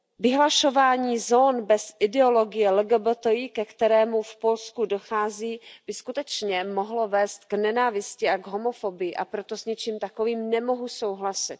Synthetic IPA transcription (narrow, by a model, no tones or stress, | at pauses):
vɪɦlaʃo̞vaːɲiːzoːnbɛsʔɪdɛo̞lo̞ɡɪjɛlɛɡɛbot̪ojikɛkt̪ɛɾɛːmufpo̞lskudo̞xaːziːb̥ɪskut̪ɛt͡ʃɲɛmo̞ɦlovɛːst̪ɡnɛnaːvɪscɪʔaɡɦo̞mo̞fo̞bɪjɪʔa̰pɾo̞t̪o̞sɲɛt͡ʃiːmt̪akoviːmnɛmo̞ɦuso̞wɦlasɪt̪